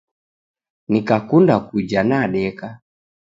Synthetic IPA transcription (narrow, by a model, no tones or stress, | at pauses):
nikakundakud͡ʒanaɗɛka